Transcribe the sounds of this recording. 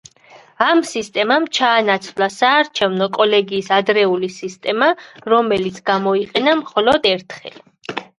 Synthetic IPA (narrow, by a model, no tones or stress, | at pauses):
amsist̪ʼɛmamt͡ʃʰaːnat̪sʰvlasaːɾt͡ʃʰɛvnɔkʼɔlɛɡiːsad̪ɾɛulisist̪ʼɛmaɾɔmɛlit̪sʰɡ̥amɔiqʼɛnamχɔlɔd̪ɛɾt̪ʰχɛ̰l